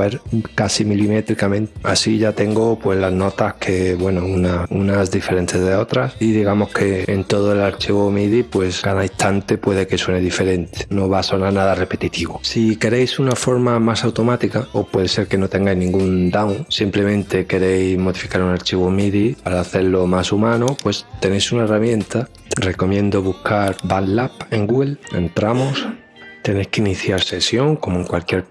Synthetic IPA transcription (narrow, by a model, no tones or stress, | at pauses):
eɾkasimilimet̪ɾikamẽnt̪a̰siʝat̪e̞ŋɡopwe̞zlazno̞t̪ahkʰe̞βwe̞nounaunasðife̞ɾe̞nt̪ezðeo̞t̪ɾasiðiɣamo̞hkʰe̞ːnt̪o̞ð̞oelaɾt͡ʃiβomiðipwe̞skaðaist̪ʰant̪e̞pwe̞ð̞e̞ke̞swe̞neðife̞ɾe̞nt̪e̥no̞βaːso̞naɾnaðare̞pe̞t̪it̪iβosike̞ɾejsunafo̞ɾmamasawt̪o̞mat̪ikaopwe̞ð̞ese̞ɾke̞no̞t̪e̞ŋɡajznĩŋɡund̪awŋsimple̞mẽ̞nt̪e̞ke̞ɾe̞jmo̞ðifikaɾunaɾt͡ʃiβomiðipaɾaːθe̞ɾlo̞masumãnopwe̞st̪e̞nejsunae̞ramjẽ̞nt̪a | re̞ko̞mjẽ̞nd̪oβuhkaɾbanlape̞ŋɡuɣe̞le̞̰nt̪ɾamos | t̪e̞nejhkeiniθjaɾse̞sjo̞ŋko̞moe̞ŋkwalkje̞ɾ